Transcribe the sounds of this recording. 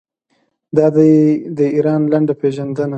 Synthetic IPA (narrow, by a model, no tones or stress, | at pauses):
d̪ɑd̪ad̪əiɾɑnlaɳɖapeʒand̪əna